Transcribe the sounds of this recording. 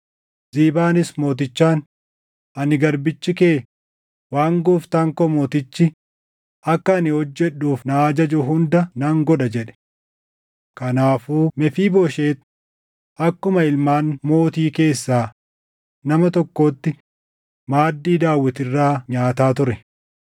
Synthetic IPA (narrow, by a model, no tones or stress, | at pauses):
z̥iːbaːnɪsmo̞ːt̪̬ɪt͡ʃːaːn | ʔɐnɪɡɐɾbɪt͡ʃːɪke̞ː | waːŋɡʊft̪ɐŋkɔmo̞ːt̪ɪt͡ʃːɪ | ɐkːɐːnɪhɔd͡ʒːɛɗuːfnɐːd͡ʒɐd͡ʒʊɦʊnd̪ɐnɐŋɡɔᶑɐd͡ʒɛᶑɛ̥ | kɐnaːfuːmɛfiːboːʃe̞ːt̪ | ʔɐkːʊmɐɪlmaːnmo̞ːt̪iːke̞ːsːaː | nɐmɐt̪ɔkːo̞ːt̪ːɪ | maːd̪ːiːd̪aːwːɪt̪ɪrːaːɲaːt̪aːt̪ʊɾɛ